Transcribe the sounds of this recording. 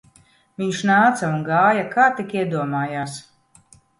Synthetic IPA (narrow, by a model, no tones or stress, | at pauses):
viɲʃnaːt̪saunɡaːjakaːt̪ikiɛd̪uɔmaːjaːs